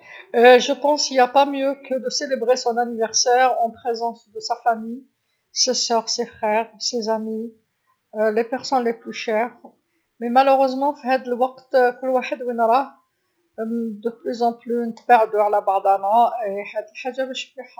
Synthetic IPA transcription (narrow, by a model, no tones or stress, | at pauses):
ʒəpɑ̃siljapamjøkəd̪əselebʁesɔ̃nanivɛʁsɛʁɑ̃pχezɑ̃sd̪əsafamij | sesœʁsefχɛʁsezami | lepɛʁsɔnleplyʃɛʁ | memaləʁøzmɑ̃fiɦæd̪əlwaqt̪kʊlːwaħəd̪winɾˤɑ | d̪əplyzɑ̃plynət̪baʕd̪yʕlabaʕd̪anɑeħæd̪əlħaʒːamɛʃplyħ